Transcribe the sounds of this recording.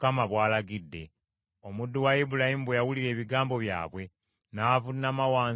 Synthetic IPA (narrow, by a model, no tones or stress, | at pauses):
kamaβwaːlaɡidːe̞̰ | o̞mudːuwaibulahimuβwejawuliɾe̞ːβiɡaːmbo̞βja̰ːβwe̞ | naːvunːamawaː